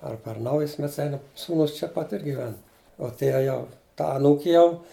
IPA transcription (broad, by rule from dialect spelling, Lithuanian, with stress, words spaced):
ɐr pʲɛr ˈnɐʊjʊs ˈmʲɛts ˈɛɪnɐm ˈsuːnʊs t͡ʃʲɛ ˈpɐt ɪr ɡʲɪˈʋʲɛn uɔ ˈtʲiɛ ˈjɛʊ ˈtɐ ɐˈnuːkʲɪ ˈjɛʊ